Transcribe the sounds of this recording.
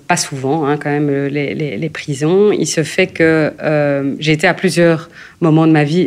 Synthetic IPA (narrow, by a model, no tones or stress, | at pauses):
pasuvɑ̃ɛ̃kɑ̃mɛmølelelepχizɔ̃ḭlsəfɛkəømʒeːt̪eaplyzjœːʁ | mɔmɑ̃d̪əmavi